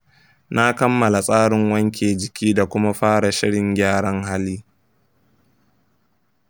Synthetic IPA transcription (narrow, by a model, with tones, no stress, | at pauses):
na˦kɐ˦mːɐ˨la˨sʼaː˦ɽɪ˨ŋwɐ˦ŋk̬ʲeː˨d͡ʒɪ˨kʲiː˦da˨kʷʊ˦ma˦ɸaː˦ɽa˨ʃɪ˦ɽɪ˨ŋɡʲaː˦ɽɐ˦ŋɦa˦liː˦